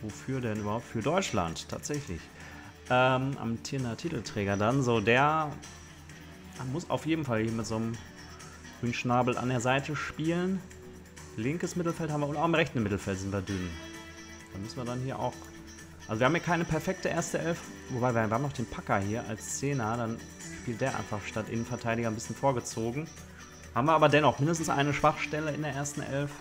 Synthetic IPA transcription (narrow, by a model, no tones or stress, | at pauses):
vofyːɐdɛnʔyːbɐhaʊp̚tfyːɐdɔʏt͡ʃla̰nttʰa̰ːtz̥ɛçlɪ̰ç | ʔɛːmʔa̰mtʰɪnɐtʰiːtl̩tʁ̥ɛːɡɐdanzoːdeːɐ | mʊsa̰ʊfjeːdm̩falhiːɐmɪtz̥oːnəm | ɡʁyːnʃnaːbl̩ʔa̰ndeːɐzaɪtəʃpiːlən | lɪŋkəsmɪtl̩fɛlthaːmvːɐʊntaʊxɪmʁɛçtn̩mɪtl̩fɛltzɪntviːɐdʏn | d̥aːmʏsn̩viːɐdanhiːɐʔa̰ʊx | ʔalzoviɐamhiɐkʰaɪnəpʰɛɐfɛk̚təʔeːɐstəʔɛlfvobaɪviːɐhviəɐhːmnɔʊχd̥eːnpʰakɐhiːɐʔa̰lst͡seːnɐdan | ʃpiːlt̚d̥eːɐʔa̰ɪnfaχʃtatʔɪ̰nənfɛɐtʰaɪɾiɡɐnbɪsçənfoːɐɡət͡soːɡŋ̩ | haːbmviːɐaːbɐdɛnɔχmɪndəstn̩sʔa̰ɪnəʃv̥aχʃtɛləɪ̰ndeːɐʔeːɐstn̩ʔɛ̰lf